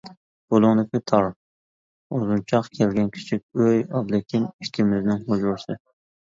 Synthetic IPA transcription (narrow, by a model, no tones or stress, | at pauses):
b̥olˠʊŋd̪ɪkʲit̪ʰɑɾ | ozunt͡ʃʰɑqkʲʰɛlɡʲɛnkʲʰi̥t͡ʃʰikʲøjɑblˠɪkʲiniʃkʲʰimɪznɪnχod͡ʒʊɾsɨ